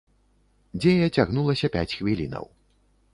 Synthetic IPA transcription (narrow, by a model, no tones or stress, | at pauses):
d͡zʲejɐt͡sʲaɣnulˠɐsʲɐpʲat͡sʲxvʲilʲinɐ̰w